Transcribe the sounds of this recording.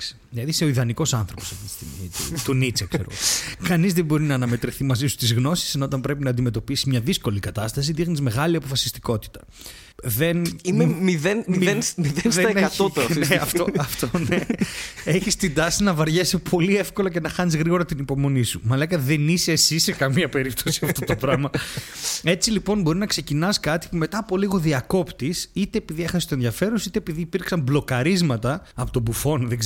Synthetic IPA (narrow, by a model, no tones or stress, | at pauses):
s | lɐðise̞oiðɐniko̞sɐnθɾopo̞sepist̪ḭmḭt̪ṵt̪unit͡sekseɾoɣokɐnizðembo̞ɾinɐːnɐme̞t̪ɾiθimɐzisu̥st̪izɣno̞si̥seno̞t̪ɐmbɾe̞pinɐːnd̪ime̞t̪o̞pisizmɲɐðisko̞likɐt̪ɐst̪ɐs̬iðixnizme̞ɣɐliɐpo̞fɐsi̥st̪i̥ko̞t̪i̥t̪ɐ̥ | ðe̞nimemiðenmienmiðeneɐeɐt̪ot̪eɐft̪oɐft̪oneeçist̪ind̪ɐsinɐvɐɾʝesipʰo̞lie̞fko̞loce̞nɐxɐnizɣɾiɣo̞ɾɐt̪inipo̞mo̞nisumɐlekɐt̪ðeniseːsisekɐmiɐpe̞ɾip̚t̪o̞siɐft̪ot̪opɾɐmɐ | e̞t͡silipo̞nbo̞ɾinɐkse̞cinɐskɐt̪i̥pume̞t̪ɐːpo̞liɣo̞ðiɐko̞pt̪isit̪e̞ːpiðie̞xɐsi̥st̪oenðʝɐfe̞ɾosit̪eːpiðiːpiɾksɐmblo̞kɐɾizmɐt̪ɐɐpot̪o̞bufo̞nðeɡz